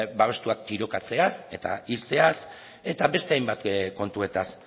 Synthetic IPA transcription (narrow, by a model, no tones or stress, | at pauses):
baβe̞st̪uak̚t̪iɾo̞kat͡se̞ase̞t̪a̰ilt͡se̞as | e̞t̪abe̞st̪e̞ajmbat̪ko̞nt̪ue̞t̪as